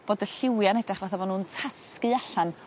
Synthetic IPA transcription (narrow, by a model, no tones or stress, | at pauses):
b̥oːdəɬɪwjanɛdaχvaθavɔnuːntʰaskɨaɬan